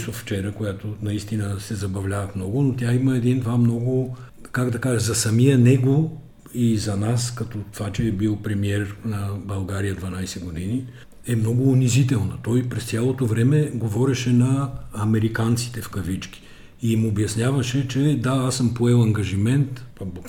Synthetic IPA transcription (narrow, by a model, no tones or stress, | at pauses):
sofft͡ʃɛɾəkojat̪onɐist̪inəsɛzɐbɐvlʲavɐfmnɔɡʊnot̪ʲjaiməɛd̪ind̪vamnɔɡo | kaɡd̪ɐkaʒɛzɐsɐmijənɛɡo | izɐnaskɐt̪ɔt̪ovat͡ʃɛːbilˠpɾɛmiɛɾnɐbɐlˠɡaɾijəd̪vɐnajsɛɡod̪ini | ɛmnɔɡʊːnizit̪ɛlˠnɐt̪ɔjpɾɛst̪sʲjalˠot̪ovɾɛmɛɡovɔɾɛʃɛnɐːmɛɾikant̪si̥t̪ɛfkɐvit͡ʃk̟i̥ | imobjɐsnʲjavɐʃɛt͡ʃɛd̪aasəmpoɛlˠɐŋɡɐʒimɛnt̪bk